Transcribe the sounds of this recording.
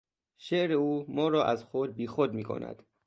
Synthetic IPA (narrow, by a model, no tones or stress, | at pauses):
ʃeʔɾeuːmɒːɾɒːʔæzxod̪̚biːxod̪miːkʰo̰næ̰d̪̥